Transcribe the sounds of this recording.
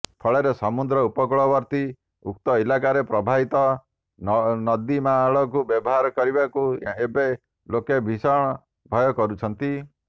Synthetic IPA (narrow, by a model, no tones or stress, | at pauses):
pʰɔɭeɾesɔmud̪ɾɔupɔkɔɭɔbɔɾt̪i | uk̚t̪ɔilakaɾepɾɔbʱaɦit̪ɔ | nɔd̪imaɭɔk̬ubjɔbɔɦaɾɔkɔɾibakuebe | lokebʱisɔɽ̃ɔ | bʱɔjɔkɔɾut͡ʃʰɔnt̪i